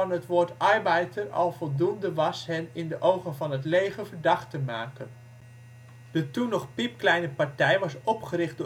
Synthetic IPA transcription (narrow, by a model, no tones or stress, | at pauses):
ɑnɦətʋʊːɹtɑjbajtəɹɑ̰lˠvɔlˠdundəʋɑsɦɛnɪndəʔowχənvɑnɦətlejχəvəɹdɑχtəmaːkən | dətunːɔχpip̚klɛjnəpɑɹtɛjʋɑsɔpχəɾɪχd̚dʊ